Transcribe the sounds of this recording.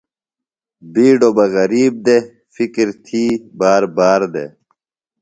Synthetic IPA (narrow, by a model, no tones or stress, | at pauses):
biːɖobɐɣɐɾiːb̚d̪e | fikɾt̪ʰiːbaːɾbaːɾd̪ḛ